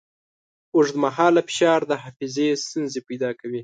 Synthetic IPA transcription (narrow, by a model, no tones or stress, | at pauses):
uʂd̪əmaɦɑlafɪ̥ʃɑɾd̪əɦɑfizest̪unzepajd̪ɑkawi